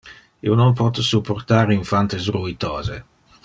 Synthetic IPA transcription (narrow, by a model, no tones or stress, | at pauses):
ionompɔt̪supːort̪aːɾiɱfant̪es̬ɾuit̪ɔːzḛ